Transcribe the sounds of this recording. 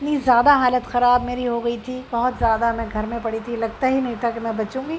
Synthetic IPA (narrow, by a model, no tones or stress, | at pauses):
nizjaːd̪aɦaːlət̪xɐɾaːbmeːɾiɦoɡɐit̪ʰibɐɦʊt̪zjaːd̪amɛ̃ːɡʱɐɾmẽpɐɽit̪ʰilɐɡ̚t̪aɦinɐɦit̪ʰakemɛ̃bɐt͡ʃũːŋɡiː